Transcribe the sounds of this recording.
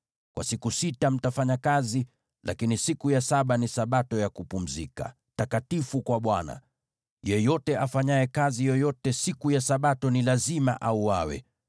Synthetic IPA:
kwa̰sikusitam̩tafaɲakazi | lʔa̰kinisikujasaɓanisaɓatɔjakupum̩zika̰ | takatifukwaɓwana̰ | jɛjɔtɛʔafaɲajɛkazijɔjɔtɛsikujasaɓatɔnilazima̰ʔauawɛ̰

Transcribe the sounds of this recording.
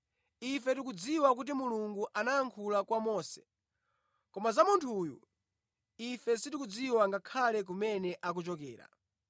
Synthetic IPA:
ifɛtik̬ud͡ziwak̬ut̬imuluŋɡuʔanaːŋkʰulakwamɔːsɛ̥ | kɔmazamuntʰuːjṵ | ifɛsitikud͡ziwaŋɡakʰalɛk̬umɛnɛʔak̬ut͡ʃɔkɛ̰ːɾa̰

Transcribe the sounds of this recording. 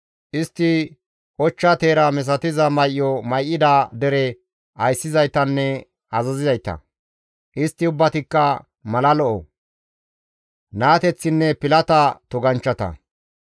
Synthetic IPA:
ʔɪst̪ːɪ | ʔɔt͡ʃːat̪eːɾɐmɛs̬ɐt̪ɪzɐmɐjʔːɔmɐjʔːɪd̪ad̪ɛɾɛ | ɐjsːɪzɐjt̪ɐnːɛ | ɐzɐzɪzɐjt̪ːɐ̰ | ʔɪst̪ːɪʊbːɐt̪ɪkːɐ | mɐlɐlɔʔɔ | naːt̪ɛt͡sːɪnːɛpɪlɐt̪ɐt̪ɔɡɐnt͡ʃːɐt̪ɐ̰

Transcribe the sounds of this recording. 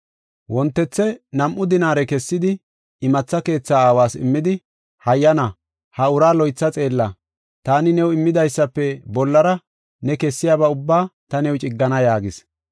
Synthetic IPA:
wɔnt̪ːɛt͡sːɛnɐmʔʊd̪ɪnaːɾɛkɛsːɪd̪ɪ | ɪmɐt͡sːɐke̞ːt͡sːaːaːwaːsɪ̰mːɪd̪ɪ | hɐjːɐnɐ | hɐʊɾaːlɔjt͡sːɐt͡sʼe̞ːlːɐ | t̪aːnɪnɛwɪmːɪd̪ɐjsːɐpːɛbɔlːɐɾɐ | nɛkɛsːɪjaːbɐʊbːaːt̪ɐnɛwt͡ʃʼɪɡːɐnɐjaːɡɪs

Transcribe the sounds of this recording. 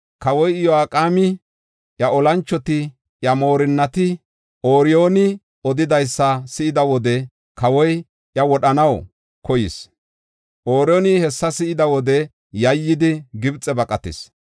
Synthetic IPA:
kɐwɔjjɔaːkʼaːmɪ | ʔjɐɔlɐnt͡ʃːɔt̪ɪ | ʔjɐmo̞ːɾɪnːɐt̪ɪ | ʔoːɾɪjo̞ːnɪ | ɔd̪ɪd̪ɐjsːɐsɪʔɪd̪ɐwɔd̪ɛ | kɐwɔj | jɐwɔɗɐnɐw | kɔjɪ̰s | ʔoːɾɪjoːnɪhɛsːɐsɪʔɪd̪ɐwɔd̪ɛ | jɐjːɪd̪ɪɡɪbt͡sʼːɛbɐkʼɐt̪ɪ̰s

